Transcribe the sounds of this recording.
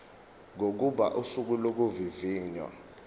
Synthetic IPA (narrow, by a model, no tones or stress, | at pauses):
ŋok̬uɓa̰ʔusuk̬ulok̬uviviːɲwa̰